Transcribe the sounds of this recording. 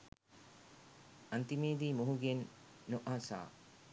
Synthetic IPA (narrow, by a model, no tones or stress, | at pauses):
ɐnt̪imeːd̪iːmoɦuɡenːoʔaːsa̰ː